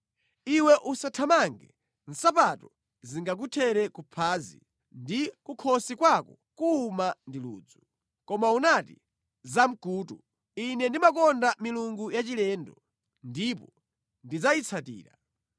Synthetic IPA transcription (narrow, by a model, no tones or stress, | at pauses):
iwɛʔusatʰamaŋɡɛ | n̩sapatɔ | ziŋɡak̬utʰɛɾɛkupʰaːzḭ | ndikukʰɔsikwakɔ | kuːmandilṵːd͡zu | kɔmaunatḭ | zam̩kuːtu | inɛndimakɔndamiluŋɡujat͡ʃilɛːndɔ | ndipɔ | ndid͡zait͡sʰatḭːɾa̰